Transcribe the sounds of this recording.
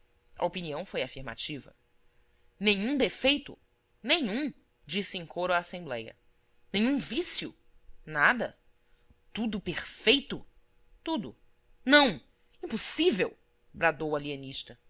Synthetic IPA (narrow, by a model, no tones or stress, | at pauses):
ɐ̰opiniɐ̃w̃fojafiɾma̰t͡ʃivɐ̰ | nẽɲ̃ũd̪efejt̪ʊ̰ | nẽɲ̃ũ | d͡ʒisɪẽŋkoɾʊaːsẽmblɛjɐ̰ | nẽɲũvisjʊ̰ | nad̪ɐ | t̪ud̪ʊpeɾfejt̪ʊ | t̪ud̪ʊ̰ | nɐ̃w̃ | ĩpʊsivew | bɾad̪owɐliɐ̃niʃt̪ɐ